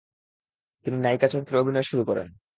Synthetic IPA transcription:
t̪ininajkat͡ɕʰoɾkeɾobʱinɔeʃuɾukɔɾḛn

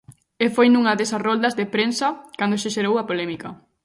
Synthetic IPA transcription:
efojnuŋɐðesɐsrɔld̪ɐzðepɾensɐkand̪oʃeʃeɾowɐpolɛmikɐ

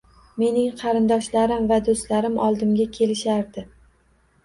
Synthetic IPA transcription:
me̞nɪŋqʰɑɾɪnd̪ɒʃlaɾɪmvad̪ost̪laɾɪmʔɒlˠd̪ɪmɡʲakʲʰe̞lɪʃaɾd̪ɪ

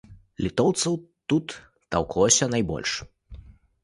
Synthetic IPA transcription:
lʲit̪ɔwt̪sɐwt̪ut̪ː | a̰wklˠɔsʲɐnajbɔ̰lʲʂ

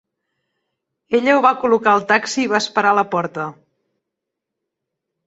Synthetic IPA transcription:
eʎəuβakulukaəlˠt̪aksiːβ̞aəspəɾaləpɔɾt̪ə

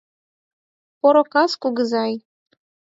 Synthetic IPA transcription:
poɾokɑskuɡəzɑj

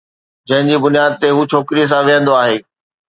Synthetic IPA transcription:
d͡ʑɐ̃ɦɪ̃ɲd͡ʑiːbʊnijaːd̪ɪt̪eɦuːt͡ɕʰoːkɾiəs̬ãʋijə̃nd̪oaːɦeː

